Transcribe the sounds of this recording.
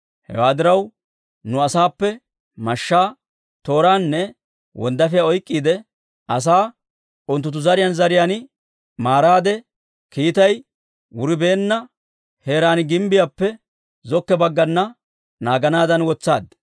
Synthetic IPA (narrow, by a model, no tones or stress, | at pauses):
hɛ̰waːd̪ɪɾɐw | nʊɐsaːpːɛ | mɐʃːaː | t̪o̞ːɾaːnːɛ | wɔ̰nd̪ɐfɪjaɔjkʼːiːd̪ɛ | ɐs̬aː | ʊnt̪ːʊt̪ːʊzɐɾɪjɐnzɐɾɪjan | maːɾaːd̪ɛ | kiːt̪ɐj | wʊɾɪbeːnːɐ | he̞ːɾaːnɪɡɪmbɪjapːɛ | zɔkːɛbɐɡːɐnːɐ | naːɡɐnaːd̪ɐnwɔt͡sːa̰ːd̪